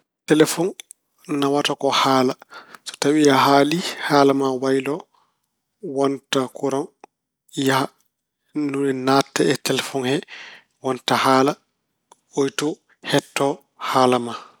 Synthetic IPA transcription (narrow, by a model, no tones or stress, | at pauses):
tɛlɛfɔn | nawatakɔhaːlasɔ̥tawijaɦaːlihalamawajlɔ | wantakuɾɔn | ja | nunɛnatːɛɛtɛlɛfɔnhɛ | wantahaːla | ojtɔ | hɛtːɔ | haːlama